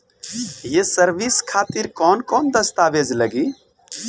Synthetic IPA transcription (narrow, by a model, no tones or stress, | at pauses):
jesəɾʋiskʰaːt̪iɾkɔːnkɔːnd̪əst̪aːʋeːd͡ʒləɡiː